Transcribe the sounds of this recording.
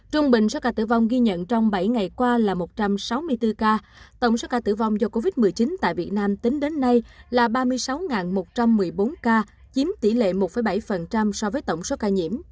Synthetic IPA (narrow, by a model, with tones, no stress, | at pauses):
t͡ɕʊ˧ŋ͡mɓï˨˩ŋ̟so˨˦kaː˧˩t̪ɨ̰˧˩va˧wŋ͡mɣi˧ɲə̰˧˨nt͡ɕɔ˧wŋ͡mɓa˧˩jŋa˨˩jkwaː˧laː˨˩mo˨˩t̚t͡ɕa˧msa˨˦wmɨ˧əjt̪ɨ˧kaː˧ | t̪ə̰˧˩wŋ͡mso˨˦kaː˧t̪ɨ̰˧˩va˧wŋ͡mzɔ˧ko˧vi˦˥t̚mɨ˨˩əjt͡ɕi˨˦nt̪a̰ː˧˨jvi˨˩ət̚naː˧mt̪ï˨˦ŋ̟ɗe˨˦nːa˧jlaː˨˩ɓaː˧mɨ˧əjsa˨˦wŋaː˨˩nmo˨˩t̚t͡ɕa˧mːɨ˨˩əjɓo˨˦nkaː˧ | t͡ɕi˨˦mt̪i˧˩lḛ˧˨mo˨˩t̚fə˧˩jɓa˧˩jfə˨˩nt͡ɕa˧msɔ˧vəː˨˦jt̪ə˧˩wŋ͡mso˨˦kaː˧ɲḭ˧˩əm